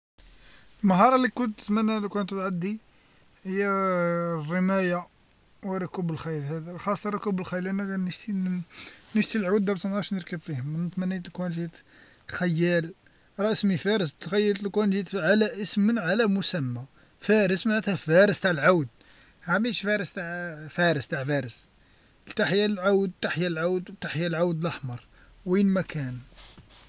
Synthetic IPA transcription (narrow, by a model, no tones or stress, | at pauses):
lmɦɑɾˤɑlikʊnt̪ːət̪mænːælukʊnt̪t̪ʕad̪ːi | həjːæ | rːəmæja | wəɾˤɑkubəlxæjlhæd̪xɑsˤt̪ːˤɑɾˤɑkubəlxæjəlʔænænəʒt̪i | nəʒt̪ilʕawd̪ːæbt̪nɣɑɾʃnəɾˤkəbfihʊmːənt̪mænːit̪lkunʒit̪ | xæjːæl | ɾˤɑʔsmifæɾəst̪xæjːəlt̪lkunʒit̪ʕalæʔəsmənʕalæmʊsæmːæ | fæɾəsmaʕæt̪hæfæɾəst̪aʕəlʕawd̪̚ | ʕamiʃfæɾəst̪aʕfæɾəst̪aʕfæɾəs | lt̪aħjælʕawd̪̚t̪aħjælʕawd̪wt̪aħjælʕawd̪ləħmɑɾˤ | winmækæn